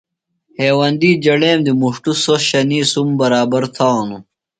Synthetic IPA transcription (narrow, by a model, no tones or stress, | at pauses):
heːwɐnd̪iːd͡ʑɐɽeːmd̪imuʂʈusoɕɐniːsumbɐɾaːbɐɾt̪ʰaːwnu